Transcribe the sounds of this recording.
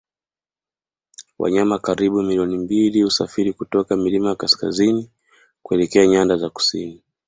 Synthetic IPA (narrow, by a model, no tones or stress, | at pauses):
wʔa̰ɲamakaɾiɓumiliɔnimbiliusafiɾikutɔkamilimajakaska̰zini | kuɛlɛkɛaɲandazaku̥sini